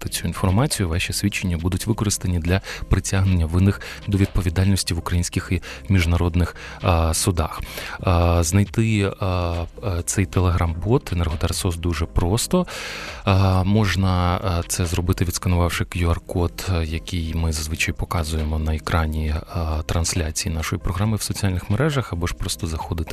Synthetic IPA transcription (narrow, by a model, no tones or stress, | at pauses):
t̪ɪt͡sʲuinfɔrmɑt͡sʲijʊʋɛʃʲisʲʋʲit͡ʃːenʲːɐbud̪ʊtʲʋɪkɔɾɨst̪ɐnʲid̪lʲɐpɾɪtʲaɦnenʲːɐʋɪnɪx | d̪ɔʋʲid̪̚pɔʋʲid̪ɑlʲnʲɔsʲtʲiʋʊkɾɐjinʲsʲkʲɪximʲiʒnɐɾɔd̪nɪx | sʊd̪ɑx | znɐjt̪ɪ | t̪sɛjt̪elˠeɦɾɑmbɔt̪enɛrɦɔd̪ɛɾsɔsd̪uʒɛpɾɔst̪ɔ | mɔʒnɐt̪sɛzɾɔbɪt̪ɪʋʲid̪skɐnʊʋɑwʃɪkjʊɐrkɔt̪jɐkʲijmɪzɐzʋɪt͡ʃɐjpɔkɑzʊjemɔnɐekɾɑnʲit̪ɾɐnsʲlʲat͡sʲijinɑʃɔjipɾɔɦɾɑmɨwsɔt͡sʲialʲnɪxmeɾɛʒɐxɐbɔʃpɾɔst̪ɔzɐxɔd̪ɪt̪ɪ̥